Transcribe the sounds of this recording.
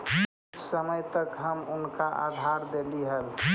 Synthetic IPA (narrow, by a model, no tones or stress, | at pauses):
səməjt̪əkɦəmʊnkaʔa̰d̪ʱaɾd̪eliɦəl